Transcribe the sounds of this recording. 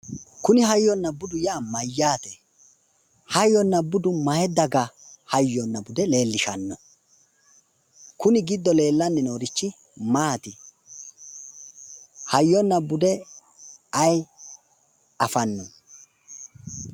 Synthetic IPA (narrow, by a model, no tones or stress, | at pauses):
kʊnɪɦɐjːɔnːɐbʊd̪ʊjaːmɐjːaːt̪ɛ | hɐjːɔnːɐbʊd̪ʊmɐjɛd̪ɐɡɐhɐjːɔnːɐbʊd̪ɛle̞ːlːɪʃɐnːɔ | kʊnɪɡɪd̪ːɔle̞ːlːɐnːɪnoːɾɪt͡ʃːɪ | maːt̪ɪ | hɐjːɔnːɐbʊd̪ɛ | ɐj | ɐfɐnːɔ